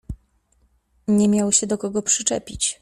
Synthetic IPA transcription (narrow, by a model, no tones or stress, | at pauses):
ɲɛmʲjawɕɛd̪ɔkɔɡɔpʂɘt͡ʂɛ̰pʲit͡ɕ